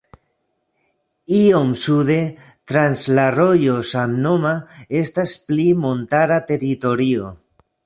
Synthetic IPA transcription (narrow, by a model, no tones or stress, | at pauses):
iomsuðe | t̪ɾanzlarojosamnomaest̪asplimõnt̪aɾat̪eɾit̪oɾio